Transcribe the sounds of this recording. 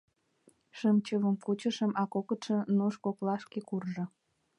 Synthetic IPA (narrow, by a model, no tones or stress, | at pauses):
ʃəmt͡ɕəβəmkut͡ɕəʃəmʔɑkokə̆t̪ʃĕnuʃkoklɑʃkekurʒɤ̆